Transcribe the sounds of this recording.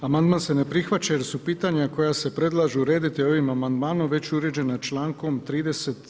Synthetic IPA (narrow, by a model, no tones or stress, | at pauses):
amand̪maːnse̞ne̞pɾixʋat͡ɕajeɾsupiːt̪aɲako̞jase̞pɾe̞d̪lˠaːʒuuɾe̞ːd̪it̪io̞ʋimamand̪maːnomʋe̞t͡ɕuɾe̞d͡ʑe̞nat͡ʃlaːŋko̞mt̪ɾiːd̪e̞se̞t̪